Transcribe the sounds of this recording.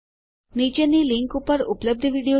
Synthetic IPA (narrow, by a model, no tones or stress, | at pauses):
nit͡ʃeniliŋkupəɾupləb̚d̪ʱəʋiɽio